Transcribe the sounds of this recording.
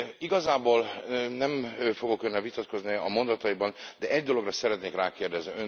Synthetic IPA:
iɡɒzaːboːlnɛɱfoɡo̞kønːɛlvit̪ɒt̪ko̞zniɒ̰mo̞nd̪ɒt̪ɒjibɒnd̪ɛʔɛɟd̪o̞lo̞ɡrɒsɛɾɛt̪neːkraːkeːrd̪ɛzniøn

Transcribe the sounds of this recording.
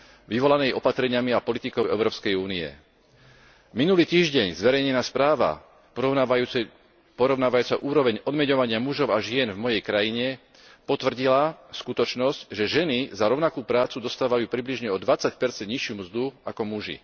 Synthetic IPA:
ʋiʋɔlanɛmiʔɔpat̪ɾɛɲɪamiapɔlit̪ikɔʊɛʊɾɔːpskɛjuːniɛ̰ | minuliːt̪iːʒɟɛɲzʋɛɾɛjɲɛnaːspɾaːʋa̰ | pɔɾɔʊnaːʋajuːt͡saʔuːɾɔʋɛɲɔd̪mɛɲɔʋaɲɪamuʒɔʊaʒɪɛnvmɔjɛjkɾajiɲɛ | pɔt̪ʋr̩ɟilaskut̪ɔt͡ʃnɔscʒɛʒɛnizaɾɔʊnakuːpɾaːt͡sud̪ɔst̪aːʋajuːpɾibliʒɲɛɔd̪ʋat͡sacpɛɾt͡sɛnd̪ɲiʃɪumzd̪uakɔmuʒḭ

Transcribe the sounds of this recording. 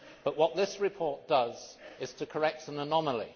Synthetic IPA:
b̥ʌʔwɒʔ̪̚ðɪsɹɪpʰɔˑɹt̚d̥ʌzɪz̥tʰəkʰə˞ɛk̚tə̃nənɑməlˠḭ

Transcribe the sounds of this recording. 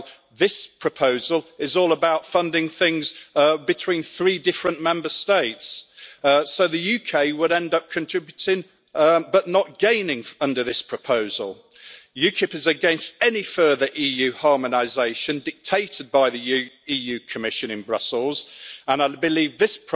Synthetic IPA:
ðɪspʰɹ̥əpʰoʊzəlˠɪzɔːlˠəbaʊtfʌ̃ndɪ̃ŋθɪ̃ŋzbɨtʰw̥ĩnθɹiːdɪfɹə̃nmɛ̃mbəsteɪts | oʊðəjʉkʰeɪwəɾɛ̃ndʌp̚kʰə̃ntʰɹ̥ɪbjʉtʰɪ̃ŋ | bʌʔⁿnət̚ɡ̥ẽɪ̃nɪ̃ŋʌ̃ndə˞ðɪspʰɹ̥əpʰoʊzə̰lˠ | jʉkʰɪpɪzəɡɛ̃nstɛnifɜːðəɹʔiːjʉːhɑɹmənaɪzeɪʃə̃ndɪk̚tʰeɪtɪd̚baɪðiʉiːjʉːkʰəmɪʃə̃nɨ̃nbɹʌ̰səlˠz̥ə̃naɪbɪliːvðɪspʰ

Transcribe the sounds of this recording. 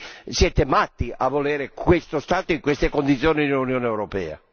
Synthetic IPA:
sjɛːt̪emat̪ːiʔavːolɛːɾekwest̪ost̪aːt̪oiŋkwest̪ekond̪it̪sːjoːnid̪elunjɔːneɛwɾopɛ̰ːa̰

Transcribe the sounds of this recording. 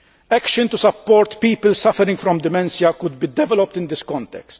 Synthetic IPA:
ɛkʃɪ̃nt̪ʊsɐpːɔːɾt̪piːpəlsɐfɛɾɪ̃ŋɡfɾɔ̃md̪ɪmɛ̃nsjɐkʊd̪bid̪ɛvɛlɔp̚t̪ɪ̃nd̪ɪskɔ̃nt̪ɛ̰kst̪

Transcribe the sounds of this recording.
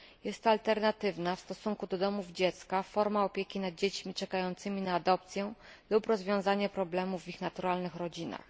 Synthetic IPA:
jɛst̪ːɔalt̪ɛɾnat̪ɘvnafst̪ɔsuŋkud̪ɔd̪ɔmuvd͡ʑɛt̪skafɔɾmaɔpʲjekʲinad̪̚d͡ʑet͡ɕmʲit͡ʂɛkajɔnt̪sɘmʲinaːd̪ɔpt̪sʲjɛ | lupɾɔzvʲjɔ̃w̃zaɲɛpɾɔblɛmuvːixnat̪uɾalnɘxɾɔd͡ʑina̰x

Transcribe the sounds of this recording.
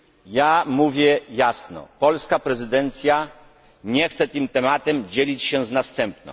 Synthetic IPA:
jamuvʲjɛjasnɔ̰pɔlskapɾɛzɘd̪ɛnt̪sʲja | ɲɛxt̪sɛt̪ɨmt̪ɛmat̪ɛmd͡ʑelʲit͡ɕɕɛ̃znast̪ɛmp̚nɔ̰̃

